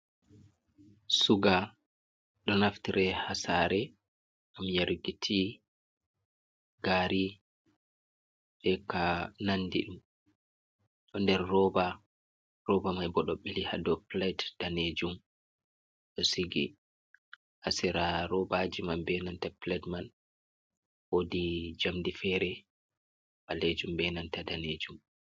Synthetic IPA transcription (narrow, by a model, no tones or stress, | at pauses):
suɡa | ɗɔnaftiɾɛhasaɾɛ | ʔamjaɾɡitʰi | ɡaːɾi | ɓɛkanandiɗum | ɗɔndɛɾːɔba | ɾɔbamajbɔɗɔɓiliha̰dɔplajdd̥aned͡ʒum | ɗɔsiɡḭ | ʔasiɾaɾɔbad͡ʒimanbɛnantaplɛdman | wodid͡ʒamdifɛɾɛ | ɓaled͡ʒumbɛnantadaned͡ʒum